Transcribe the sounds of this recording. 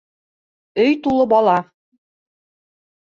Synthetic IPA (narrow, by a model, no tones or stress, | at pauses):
ɵjt̪ulˠɤbɑlˠɑ